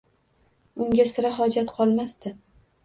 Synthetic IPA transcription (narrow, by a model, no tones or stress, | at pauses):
ʊŋɡʲasɪɾaɦɒd͡ʒat̪qʰɒlˠmast̪ɪ